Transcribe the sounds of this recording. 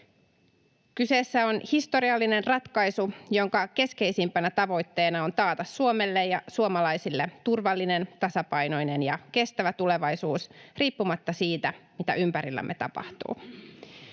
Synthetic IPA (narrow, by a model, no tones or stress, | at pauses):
kyse̞ːsːæo̞nhist̪o̞ɾiɑlːine̞nrɑt̪kɑjsujo̞ŋkɑke̞ske̞jsimpænæt̪ɑʋo̞jt̪ːe̞ːnɑo̞nt̪ɑːt̪ɑsːuomelːejjɑsuomɑlɑjsilːet̪urʋɑlːine̞nt̪ɑsɑpɑjno̞jne̞njɑke̞st̪æʋæt̪ule̞ʋɑjsuːsriːpːumɑt̪ːɑsiːt̪æmit̪æ̰ʔympæɾilːæ̰mʔḛt̪ɑ̰pɑ̰ht̪ṵː